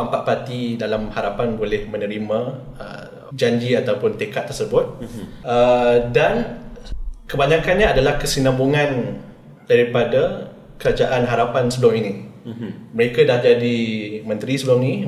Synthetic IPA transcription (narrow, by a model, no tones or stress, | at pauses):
ampaʔ̚pat̪idalamhaɾapanbolɛhmə̃nəɾimãə̰ | d͡ʒaɲd͡ʒiat̪awpʊnt̪ekat̪ːərsəbʊt̪̚ədan | kəbaɲakanɲaːdalahkəsinãmbuŋãn | daɾipada | kəɾad͡ʒaʔanɦaɾapansəblʊŋinĩ | məɾekadahd͡ʒadimə̃nt̪ɾisəblʊŋni